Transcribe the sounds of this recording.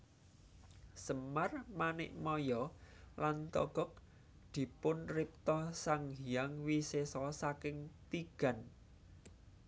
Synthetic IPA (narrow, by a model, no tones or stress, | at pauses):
səmarmanɪ̰ʔmɔjɔlant̪ɔ̰ɡ̥ɔ̤k̚ | d̪̥i̤pʊnrɪp̚t̪ɔsaŋɦijaŋwisesɔsakɪŋt̪iɡ̥a̤n